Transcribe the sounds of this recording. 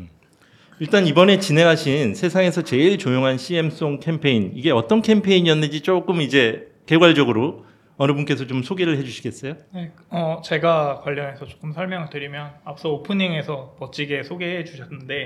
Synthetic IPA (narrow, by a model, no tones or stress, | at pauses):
iɭt͈anibʌne̞t͡ɕinɦe̞ŋɦaɕʰinsʰe̞sʰaŋe̞sʰʌt͡ɕe̞iɭt͡ɕojoŋɦanɕʰie̞ms͈oŋkʰe̞mpʰe̞iniɡe̞ʌt͈ʌnkʰe̞mpʰe̞iɲiʌnːɯd͡ʑit͡ɕ͈ok͈ɯmid͡ʑe̞ | ke̞ɡwaɭd͡ʑʌɡɯɾo | ʌnɯbunk͈e̞sʰʌt͡ɕomsʰoɡeɾɯɭɦe̞d͡ʑuɕʰiɡe̞s͈ʌjone | ʌt͡ɕe̞ɡakwaʎːʌne̞sʰʌt͡ɕo̥k͈ɯmsʰʌɭmjʌŋɯɭtɯɾimjʌnap̚s͈ʌopʰɯniŋe̞sʰʌpʌt͡ɕ͈iɡe̞sʰoɡeɦet͡ɕuɕʰʌnːɯnde̞